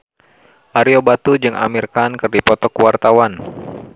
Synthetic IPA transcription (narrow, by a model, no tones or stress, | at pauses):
ʔaɾiobat̪ud͡ʒɨŋʔa̰mirkankɨrdipɔt̪ɔkuwart̪awan